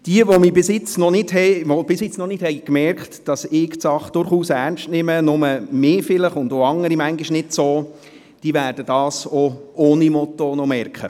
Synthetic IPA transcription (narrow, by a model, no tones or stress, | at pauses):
d̥iəʋomibɪsɪt͡snɔnɪdɦɛʋob̥ɪsjɪt͡snɔnɪthɛɪkmɛrkχtd̥ɑsɪːktsɑχd̥ʊɾχuːsæɾnʃtnɪmənʊməmeːfɪləχʊndoɑŋːəɾimæŋɡiʃnɪdsoː | d̥iːʋæːɾd̥əd̥ɑːsooːnimɔt̪onɔmɛɾkχə